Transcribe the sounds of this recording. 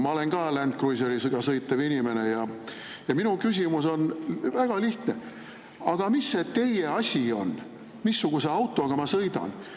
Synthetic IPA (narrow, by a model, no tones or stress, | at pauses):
mɑole̞nɡ̥ɑːlænt̪̚kruis̬oɾlisɯɡɑsɤjt̪ːˑɑvinʲime̞ne̞jɑ | jɑminukysʲimuso̞nvæɡ̥ɑliht̪ne̞ | ɑɡ̥ɑmisːet̪e̞je̞ɑsʲio̞n | misːuɡ̥use̞ɑwt̪ːˑo̞ɑɡ̥ɑmɑsɤjd̪̥ɑ̰n